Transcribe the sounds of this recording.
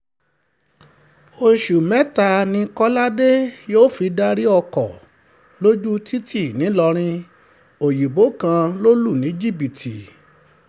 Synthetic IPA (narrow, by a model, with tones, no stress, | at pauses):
o˧ʃu˨mɛ˦ta˧nĩ˧kɔ˦la˦de˦joː˦˨fi˧da˦ɾi˦ɔ˧kɔ˨ | lo˦d͡ʒu˦tʰi˦ti˦˨nĩ˨˦lɔ˧ɾ̃ĩ˧ | o˨ji˨bo˨˦kã˧lo˦lu˦˨nĩ˨˦d͡ʒi˦˨bi˨tʰi˨